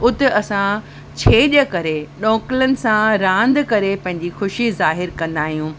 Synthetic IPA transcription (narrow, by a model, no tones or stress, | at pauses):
ʊt̪ɪɐsã | t͡ɕʰeːɗəkɐɾeɗɔ̃ːkɪlənɪ̆sãɾãːnd̪kɐɾepɐ̃ɦɪ̃ɲ̆d͡ʑixʊʃizaːɦɪɾkɐ̃nd̪aːɦijũː